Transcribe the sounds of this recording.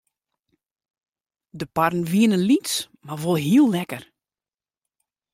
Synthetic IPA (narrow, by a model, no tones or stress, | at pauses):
dəparn̩ʋiənənlits | marʋolˠɦiəlˠːɛkər